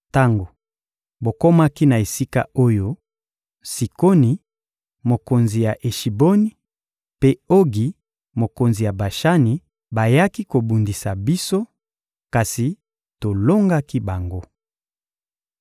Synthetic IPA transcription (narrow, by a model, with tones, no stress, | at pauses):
ta˦ŋɡo˨ | bo˨ko˦ma˦ki˦na˨e˨si˦ka̰˦o˦jo˦ | si˨ko˦ni˨ | mo˨ko˨nzi˨ja˨ʔe˨ʃi˨bo˦ni˨ | pe˦o˦ɡi˨ | mo˨ko˨nzi˨ja˨ba˨ʃa˦ni˨ | ba˨ja˦ki˦ko˨bu˨ndi˨sa˨bi˦so˦ | ka˨si˨ | to˨lo˦ŋɡa˦ki˦ba˨ŋɡo˦